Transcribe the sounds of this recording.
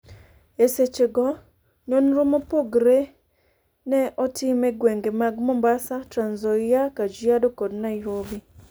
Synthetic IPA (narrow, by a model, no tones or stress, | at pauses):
eset͡ʃeɡɔ | ɲonɾomopoɡɾe | nɛʔɔtɪmɛɡweŋɡemaɡmɔmbasatɾanzɔjakad͡ʒiadɔkɔdnajɦobi